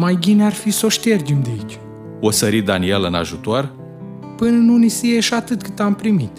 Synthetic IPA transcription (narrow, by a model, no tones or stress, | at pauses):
majbinearfisoʃt̪e̞rd͡ʒemd̪eit͡ʃʲ | osəɾit̪̚d̪anielɨna̰ʒut̪or | pɨnɨnunisijeʃat̪ɨt̪kɨt̪ampɾimit̪